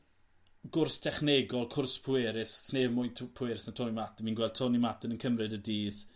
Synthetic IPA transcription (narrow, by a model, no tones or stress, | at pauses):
ɡ̥ʊrstʰɛχneɡɔlˠkʰʊrspʰʊɛɾɪsːneːvmʊjntʰpʰʊɛːɾɪsnatʰɔnimatənmiːnɡwɛlˠd̚tʰɔnimatənənkʰəmrɨdədiːð